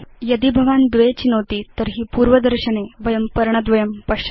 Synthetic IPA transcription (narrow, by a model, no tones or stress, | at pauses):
jəd̪ibʱəʋand̪ʋet͡ɕinoʋt̪iːt̪əɾɦiːpuːɾʋəd̪əɾɕəneʋɐjəmpəɾɳəd̪ʋɐjəmpəɕə̥